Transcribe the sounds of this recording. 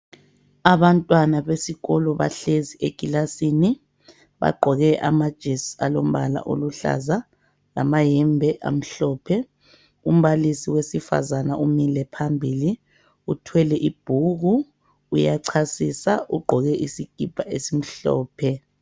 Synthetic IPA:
aβantʼwanaβesiɣɔlɔβa̰ɬezieɡ̥ʱilasini | βa̰ɡ͡ǃʱɔɣɛʔamad̥ʒ̥ʱesalom̩βala̰ʔo̰luɬa̰za | lamajɛmbʱɛʔa̰m̩ɬɔːpʰɛ | um̩βalisiwesifa̰zanaumilɛpʰambʱiːli | utʰwɛlɛʔib̥ʱuɣuː | jaǀʰasisaʔuɡ͡ǃʱɔɣɛʔisiɡ̥ʱib̥ʱaʔesim̩ɬɔ̰ːpʰɛ

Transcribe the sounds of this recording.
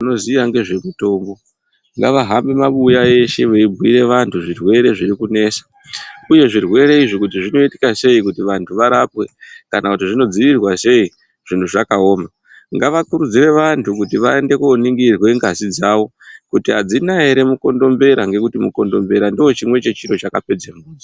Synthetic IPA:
no̞ziaŋɡe̞ʐemuto̞ːmbo | ŋɡaʋaɦambe̞maɓujae̞ʃe̞ʋeibwiɾe̞ʋantʰuʐirwe̞ɾe̞ʐiɾikune̞ːsḁ | uje̞ʐirwe̞ɾe̞iʐikut̬iʐino̞iti̥kase̞ikutiʋantʰuʋaɾapwe̞kanakutiʐino̞d͡ziʋirwase̞i | ʐ̥intʰuʐakao̞ːma | ŋɡaʋakuɾud͡ziɾe̞ʋantʰuk̬utiʋae̞nde̞kuniŋɡirwe̞ŋɡazid͡zaːʋo̞kutiɦad͡zinaeɾe̞muko̞ndo̞mbe̞ɾaŋɡe̞kutimuko̞ndo̞mbe̞ɾandio̞t͡ʃimwe̞t͡ʃe̞t͡ʃiɾo̞t͡ʃakape̞d͡zemuːd͡za

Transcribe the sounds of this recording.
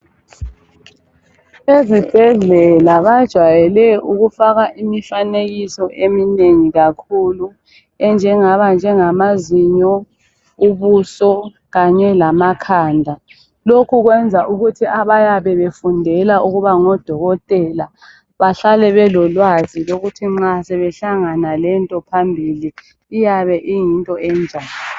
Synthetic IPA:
ezib̥ʱɛɮɛlaβad̥ʒ̥ʱwajɛlɛuɣufaɣaʔimifaneɣisɔʔemineŋiɣakʰulu | ɛnd͡ʒʱɛŋaβand͡ʒʱɛŋamaziɲɔ | uβusɔ | ɣaɲɛlamakʰaːndʱa | lokʰuɣwɛnd͡zʱaʔuɣutʰiʔaβajaβɛβefundʱɛlaʔuɣuβaŋɔd̥ʱɔɣɔtʼɛla | βaɬalɛβɛlɔlwaziloɣutʰiŋ͡ǁasɛβɛɬaŋanalɛntʼɔpʰambʱiliː | jaβɛʔijintʼɔɛnd͡ʒʱaːlɔ

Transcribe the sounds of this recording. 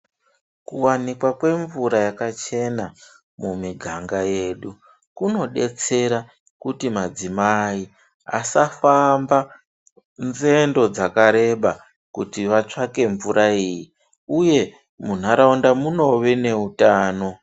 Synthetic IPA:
kuwanikwakwe̞ɱvuɾajakat͡ʃe̞na | mumiɡʱaŋɡaje̞ɗu | kuno̞ɗe̞̰t͡se̞ɾa | kutimad͡zimai | a̰safamba | nze̞ndo̞d͡zakaɾe̞ɓa | kutiʋat͡ʂake̞ɱvuɾaiji | uje̞ | mun̤aɾaundamuno̞ʋene̞utaːno̞

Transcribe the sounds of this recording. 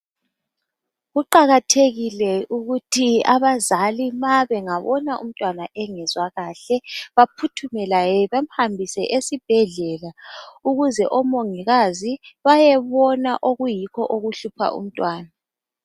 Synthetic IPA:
ɣuǃaɣatʰeɣilɛuɣutʰiaβazalimaβɛŋaβɔ̰naʔṵm̩tʼwanaʔɛŋɛzwaɣaːɬɛβapʰutʰumɛlajɛβam̩hambʱisɛʔesib̥ʱɛɮɛlauɣuzɛʔɔmoŋiɣaziβajɛβɔnaʔoɣujikʰɔ̰ʔoɣuɬupʰa̰ʔṵm̩tʼwaːna

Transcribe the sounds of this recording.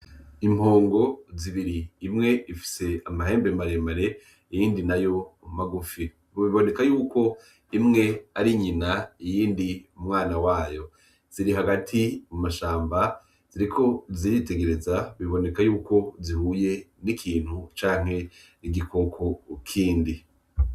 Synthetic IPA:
imho̞ːŋɡo̞ziβiɾiːmŋe̞ifi̥se̞amaɦe̞ːmbemaɾemaɾe̞ | ijiːndinajo̞umumaɡufi | βoβiβo̞ne̞kajuːko̞ | imŋe̞aɾiɲinaijiːndiumŋaːnawaːjo̞ | z̥iɾiɦaɡatʰimumaʃaːmba | z̥iɾikʰo̞ziɾite̞ɡe̞ɾe̞zaβiβo̞ne̞kajuːko̞zihuːje̞nikʰiːn̥hut͡ʃaːŋ̥e̞ | iɡikʰo̞kʰo̞kʰiːndi

